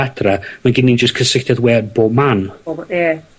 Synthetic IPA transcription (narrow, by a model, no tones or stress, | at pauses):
adramaɡɪnːind͡ʒəskʰəsɪχtaðwɛːdboːbmanbjɛ